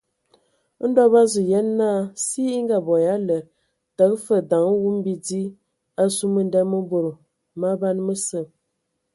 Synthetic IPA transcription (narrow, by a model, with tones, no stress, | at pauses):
n̩˦dɔ˦ba˦zə˨jɛ˦nː˦a˦˨si˦i˦ŋ˦ɡa˨bɔ˨ja˦lə˨ | tə˨k̚fə˦˨da˨ŋə˦wu˦m˦bi˦di˦ | a˦su˦mə˨n˦dɛ˦mə˦bo˨ɾə˨ | ma˦ba˦nmə˦sə˦˨